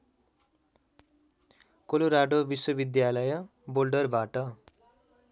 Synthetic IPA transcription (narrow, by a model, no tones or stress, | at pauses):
koloɾaɖobiswʌbid̪jalʌjʌ | bolɖʌrbaʈʌ